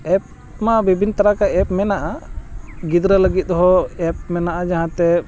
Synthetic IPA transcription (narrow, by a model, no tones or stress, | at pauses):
ɛp̚ | mabibʱint̪aɾakaɛp̚mɛnaʔa | ɡid̪ɾələɡit̪̚ɔɦɔɛp̚mɛnaʔad͡ʒaɦãt̪ɛ